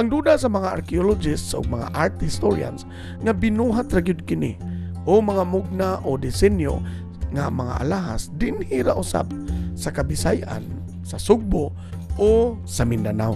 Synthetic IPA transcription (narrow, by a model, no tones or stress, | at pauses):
ʔaŋd̪uːd̪asamaŋaa̰ɾkiolod͡ʒɪst̪sʊ̰ɡ̚maŋa̰ʔaɾt̪hɪst̪oɾḭa̰ns | ŋabɪnuɦat̪ɾaɡijʊd̪̚kɪnḭ | ʔomaŋamʊɡ̚naʔod̪ɪsɛnjo̰ | ŋamaŋa̰ʔa̰laɦasd̪ɪnhiɾaʔʊsa̰b̚sakabɪsajʔa̰n | sasʊɡ̚bo | o | samɪnd̪anaw